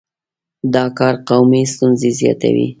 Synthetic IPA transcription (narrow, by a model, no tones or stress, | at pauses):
d̪ɑkɑɾqawmist̪unzezjɑ̰t̪a̰wḭ